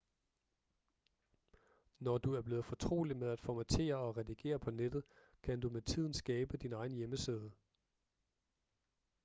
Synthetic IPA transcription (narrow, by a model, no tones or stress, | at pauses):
nɒd̥uæɐb̥le̝ːð̞̩ˠfɒ̽t͡sʰʁo̝̰ːlimeðˠæd̥fɒmæt͡sʰe̝̰ːɐɒ̽ʁɛdiɡ̥e̝̰ːɐpʰɒ̽ned̥ð̞̩ˠ | kʰænd̥umet͡sʰið̞̰ˠn̩sɡ̥ɛːb̥əd̥inɑ̈ɪn̩jeməseð̞ˠə